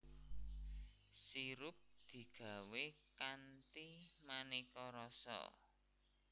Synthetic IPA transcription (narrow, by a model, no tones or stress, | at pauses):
siɾʊp̚d̪̥i̤ɡ̥a̤wekant̪imanikɔɾɔsɔ̰